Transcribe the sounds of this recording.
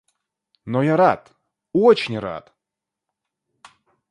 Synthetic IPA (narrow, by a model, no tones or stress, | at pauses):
nojaɾat̪ | ot͡ɕɪnʲra̰t̪